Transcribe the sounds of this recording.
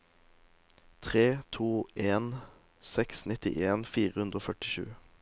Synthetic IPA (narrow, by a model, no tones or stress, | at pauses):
t̪ʰʁeːt̪ʰuːeːn | sɛksnɪt̪ɪ̰ʔeːnfiːʁəhʉnd̪ʁoːfœʈɪʃʉ̰ː